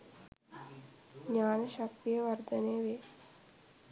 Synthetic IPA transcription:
ɲaːnəʃɐk̚t̪ijəʋɐɾd̪ɐneːʋe

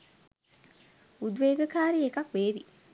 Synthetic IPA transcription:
ud̪ʋeːɡəkaːɾiekɐkʋeːʋi

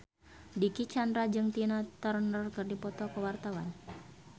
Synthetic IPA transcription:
dikit͡ʃandɾad͡ʒɨŋt̪inat̪ərnərkɨrdipɔt̪ɔkəwart̪awan

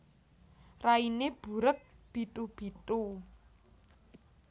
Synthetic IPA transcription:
raineb̥ṳɾək̚b̥i̤t̪ub̥i̤t̪u

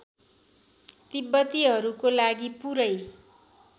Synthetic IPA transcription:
t̪ibːʌt̪iɦʌɾukolaɡipuɾʌj

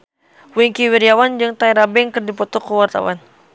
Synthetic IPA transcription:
wiŋkiwiɾiawand͡ʒɨŋt̪aiɾabɛŋkɨrdipɔt̪ɔkːəwart̪a̰wan

